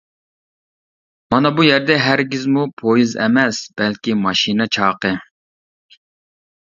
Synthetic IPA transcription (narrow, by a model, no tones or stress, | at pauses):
mɑnɑbujɛɾd̪ɛɦæɾɡʲizmupʰojizɛ̰mɛsb̥ɛlkʲimɑʃinɛt͡ʃʰɑːqɨ